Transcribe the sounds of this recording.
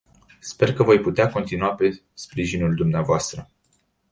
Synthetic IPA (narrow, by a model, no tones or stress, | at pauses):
spe̞rkəvo̞jput̪eako̞nt̪inuape̞ | spɾiʒinuld̪umneavoast̪ɾə